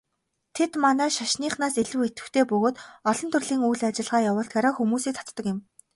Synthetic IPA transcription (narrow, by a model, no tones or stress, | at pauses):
t̪ʰet̪manæːʃaʃniːχnaːseɮɘ̆wet̪ɘ̆xt̪ʰeːpɵɣoːt̪ɔɮɞ̆nt̪ʰɵrɮiːŋujɮat͡ɕɪ̆ɮʁaːjawʊːɬt̪ɡaɾaːxumuːsiːk̚t̪ʰḁt̪ːə̆kjɪ̆m